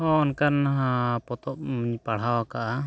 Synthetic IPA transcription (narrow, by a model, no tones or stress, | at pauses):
ɔ̃ɔnkaɾnaɦãpɔt̪ɔp̚miɲpaɽ̤awakaʔa